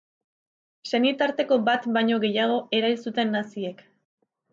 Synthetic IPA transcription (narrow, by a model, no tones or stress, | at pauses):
se̞nit̪aɾt̪e̞ko̞bat̪bajɲo̞ɣe̞jaɣ̞o̞e̞ɾajlsut̪e̞nːasie̞k